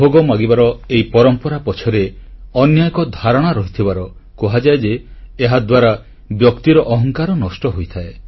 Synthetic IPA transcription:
oɡɔmaɡibaɾɔeipɔɾɔmpɔɾapɔt͡ʃʰɔɾeɔnjajɔkɔd̪ʱaɾɔɽ̃aɾɔɦit̪ʰibaɾɔ | kɔɦad͡ʒaed͡ʒeːɦad̪waɾa | bjɔkt̪iɾɔʔɔɦɔŋkaɾɔnɔsʈɔɦojt̪ʰae

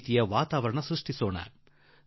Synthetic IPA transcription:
t̪ijɐʋaːt̪aːʋɐɾɐɳɐsɾuʂʈʰisoːɳa̰ːn

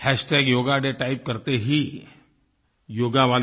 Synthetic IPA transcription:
hɛːsʈeːɡjoːɡaɖeːʈaːɪp̚kɐɾt̪eɦi | joːɡaʋaːl

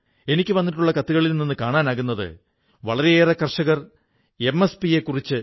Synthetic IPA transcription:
e̞nikʲːɨʋɐnːiʈːuɭːɐkɐt̪ːuɣɐɭilninːɨkaːɳaːnaːɣunːɐðɨ̰ | ʋɐɭɐɾeeːrɐkːɐrʂɐɣɐr | e̞mːespije̞kːurit͡ɕːɨ

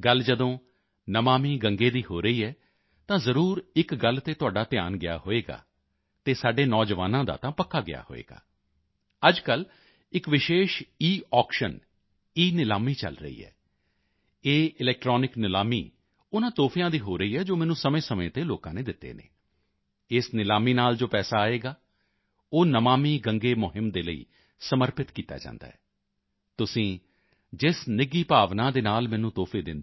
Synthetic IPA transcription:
ɡəld͡ʒəd̪õː | nəmaːmiːɡəŋɡeːd̪iːhoːɾəiːɛː | t̪ãːzəɾuːɾɪkɡəlt̪eːt̪ʊaːɖaːt̪ɪja̰ːnɡɪja̰ːɦoːeːɡa̰ː | t̪eːsaːɖeːnɔːd͡ʒʋaːnãːd̪a̰ːt̪ãːpəkʰːaːɡɪ̰ja̰ːho̰ːḛːɡa̰ː | əd͡ʒkəl | ɪkʋɪʃeːʃiːʔɔːkʃən | iːnɪlaːmiːt͡ʃə̰lɾə̰ḭːɛ̰ː | eːɪlɛːk̚ʈɾɔːnɪknɪlaːmḭː | ʊnãːt̪oːpʰijãːd̪iːɦoːɾəiːɦɛːd͡ʒoːmɛːnũːsəmẽːsəmḛ̃ːt̪eːloːkãːnẽːd̪ɪt̪ːḛːnḛː | ɪsnɪlaːmiːnaːld͡ʒoːpɛːsaːaːeːɡaː | oːnəmaːmiːɡəŋɡeːmʊɦɪmd̪eːləḭː | səməɾpɪt̪kiːt̪a̰ːd͡ʒã̰ːnd̪a̰ːɦɛː | t̪ʊsĩː | d͡ʒɪsnɪɡiːpaːʋnãːd̪eːnaːlmɛ̃ːnũːt̪oːpʰeːd̪ɪ̰nd̪

